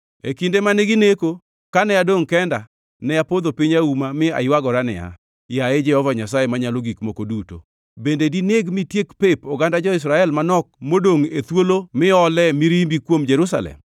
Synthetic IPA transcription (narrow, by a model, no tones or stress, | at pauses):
ḛkindemaneɡineko | kanɛjadoŋkɛnda | nɛjapod̪opiɲaumamɪa̰ɪwaɡɔɾanɪ̰ja̰ | jaɛd͡ʒɛhɔvaɲasaemaɲaloɡikmokoduto̰ | bendedineɡmitjekpepɔɡandad͡ʒɔɪs̬ɾaɛlmanɔk̚modoŋet̪wolomɪɔlɛmiɾimbikwomd͡ʒɛɾusa̰lɛ̰m